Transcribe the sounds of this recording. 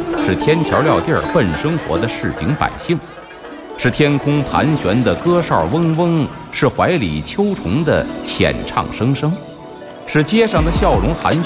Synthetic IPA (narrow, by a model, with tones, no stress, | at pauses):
ʂɻ̩˥˩t̪ʰjɛ˥nt͡ɕʰjɑ˧˥ʊljɑ˥˧ʊt̪jə̰˞˥˧pə˥˩nʂɤ˥ŋxwɔ̰˧˥d̪ə˧ʂɻ̩˥˩t͡ɕḭ˧˥ŋpa̰˨˩ɪɕi˥˩ŋ | ʂɻ̩˥˩t̪ʰjɛ˥nkʰʊ˥ŋpʰa̰˧˥nɕɥɛ˧˥nd̪ə˨kɤ˥ʂɑ̰˥˩wə˥ŋwə˥ŋ | ʂɻ̩˥˩xwa˧˥ɪlḭ˨˩t͡ɕʰjo˥ʊʈ͡ʂʰʊ˧˥ŋd̪ə̰˧˨t͡ɕʰjɛ̰˨˩nʈ͡ʂʰɑ̰˥˩ŋʂɤ˥ŋʂɤ˥ŋ | ʂɻ̩˥˩t͡ɕjɛ˥ʂɑ˥˩ŋd̪ə˩ɕjɑ˥˩ʊɻʊ˧˥ŋxa̰˧˥n